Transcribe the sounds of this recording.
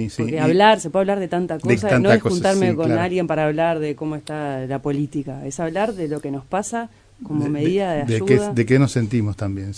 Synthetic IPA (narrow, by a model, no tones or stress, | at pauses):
isokeaβlaɾsepweaβlaɾð̞e̞t̪ant̪akos̬annokunaɾmekonalɣjempaɾaːβlaɾðeko̞moest̪alapo̞lit̪ikaesaβlaɾðelo̞kenospasa | ko̞momeðiðaðeaʃuðad̪ekenosent̪imost̪ambjen